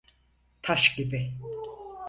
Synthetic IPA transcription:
t̪ʰaʃɟibɪ

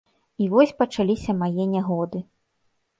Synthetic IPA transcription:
ivɔsʲpɐt͡ʂalʲisʲɐmajɛnʲaɣɔd̪ɨ

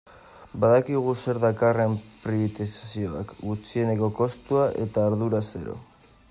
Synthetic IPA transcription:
baðakiɣ̞use̞ɾðakare̞mpɾiβit̪isḁsio̞a̰kɡut͡sie̞ne̞ko̞ko̞st̪uaʔe̞t̪aːɾðuɾase̞ɾo̞̰

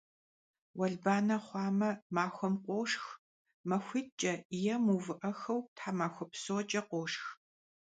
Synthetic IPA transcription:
wɐɮbaːnɐχʷɑːmɐmaːxʷɔmqʷoːʂx | mɐxʷiːt̚t͡ʃʼɐjɛmuvɨʔɐxɐwtʰħaːmaːxʷɔpsoːt͡ʃʼɐqʷoːʂx

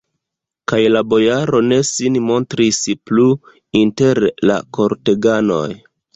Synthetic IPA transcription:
kajlabo̞jaɾo̞ne̞sinmo̞ntɾisplu | inte̞ɾla̰ko̞ɾte̞ɡano̞̰j

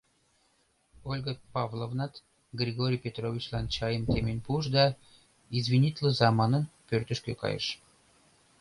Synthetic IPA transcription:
olʲɡəpɑvlˠovnɑt̪ | ɡrʲiɡoɾʲijpʲet̪rovʲit͡ɕlɑnt͡ɕɑjəmt̪emenʲpuʃd̪ɑ | izvʲinʲit̪ʲlʲəzɑmɑnənpørt̪ə̆ʃkøkɑ̰jə̰ʃ

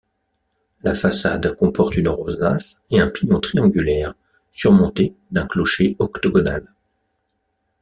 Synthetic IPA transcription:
lafasa̰d̪kɔ̃pɔʁt̪ynʁozaseɛ̃piɲɔ̃t̪χiɑ̃ɡʲylɛʁ | syʁmɔ̃t̪ed̪ɛ̃klɔʃeɔkt̪ɔɡɔna̰l

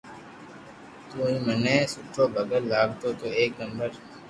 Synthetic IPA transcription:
t̪uːĩːməneːsʊʈʰːoːbʱəɡəɾlaːɡ̚t̪oːt̪oːeːknəmbəɾ

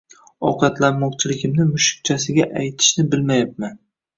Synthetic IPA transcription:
ɒqʰɑt̪lanmɒqt͡ʃʰɪlɪɡʲɪmnɪmʊʃɪ̥k̚t͡ʃʰasɪɡʲaʔajt̪ʰɪ̥ʃnɪbɪlmajap̚man

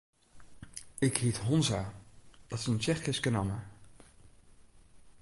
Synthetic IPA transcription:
ɪkɦitɦɔnzaːd̥ɑtɪ̥sənt͡ʃɛχɪskənɑmə

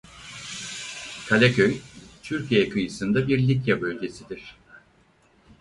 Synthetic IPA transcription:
kʰalʲacʰøjt̪ʰyɾcʰijejɛkʰɯjɯsɯnd̪abiɾlʲitjabø̞lʲɟʲe̞sid̪iɾ̝̥

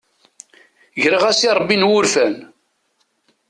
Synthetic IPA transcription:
ʝɾəʁæsiɾˤbːinwʊɾfæn

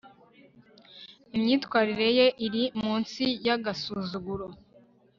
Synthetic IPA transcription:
imɲiːtkwaːɾiɾe̞je̞ʔiɾimuːnsijaɡasuzuɡuɾo

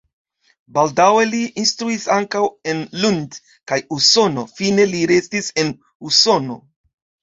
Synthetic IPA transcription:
baldawe̞liːnstɾuisaŋkawe̞nlund | kajuso̞no̞̰fine̞liɾe̞stise̞n | uso̞no̞̰

